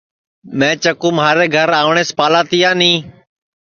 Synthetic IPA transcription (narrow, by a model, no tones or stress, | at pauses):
mɛ̃ːt͡ʃəkuːmɦaːɾeːɡʱəɾaːʋɳeːspaːlaːt̪iːjãːnĩː